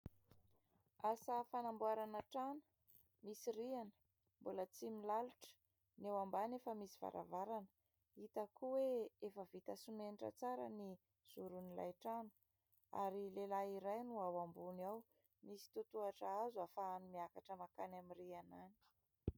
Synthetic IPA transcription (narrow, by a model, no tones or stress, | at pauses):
asafanambuaɾanaʈ͡ʂanə̥ | misirianə̥ | mbulət͡similaluʈ͡ʂə̥ | newambanefəmisi̥va̰ɾʔa̰vaɾanə | it̪akuweefəvit̪asumeniʈ͡ʂə̰t͡saɾəni | z̥uɾunila̰jʈ͡ʂanə̥ | a̰ɾilelaiɾajnuawambunaw | misi̥t̪ut̪uaʈ͡ʂaazuafaːnumiakaʈ͡ʂəmakanamirianani̥